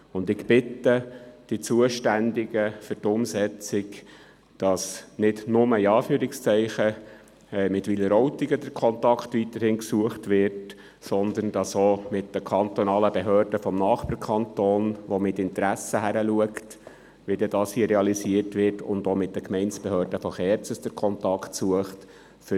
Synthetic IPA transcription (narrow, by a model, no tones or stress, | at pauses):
ʊnd̪ɪkb̥ɪtəd̥it͡suəʃtændɪɡəfʏtʊmsɛt͡sɪk | d̥ɑsnɪdnʊməiɑːfyːɾɪkst͡sɛɪχə | ɛmɪtʋiləɾɔwtɪɡədəɾkʰɔntɑktʋit̪əɾhɪnksuəχtʋɪrt | sɔnd̪ənd̥ɑsomɪtdəkʰɑnt̪ɔnɑːləbeɦøːrd̥əfɔmnɑːχpəɾkʰɑnt̪oːnʋɔmɪtɪntɾæsəɦæɾəluəkt | ʋidɛdɑːshiːəɾɛɑlisiərtʋɪrtʊ̰nd̪omɪt̚d̥əkmɛɪnt͡ssb̥ɛɦøːɾdəfɔχɛɾt͡səsd̥əɾkʰɔntɑktsuəχt | fʏ